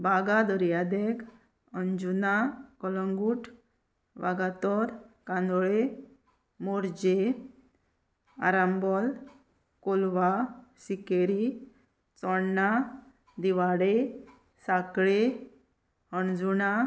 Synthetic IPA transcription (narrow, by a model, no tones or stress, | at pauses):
baɡad̪ɔɾjad̪ek | ənd͡ʑunakɔlɔŋɡuʈʰ | ʋa̰ɡat̪ɔɾkãnd̪ɭe | moɾd͡ʑe | a̰ɾambɔl | kolʋasikeɾi | t͡sɔɳna | d̪iʋaɽe | sakɭe | ənd͡zuna